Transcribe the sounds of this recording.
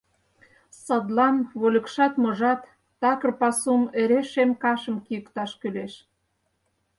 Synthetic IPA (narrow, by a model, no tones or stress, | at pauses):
sɑd̪lɑnβolʲə̆kʃɑt̪moʒɑt̪ː | ɑkə̆rpɑsumeɾeʃemkɑʃə̆mkijə̆kt̪ɑʃkyleʃ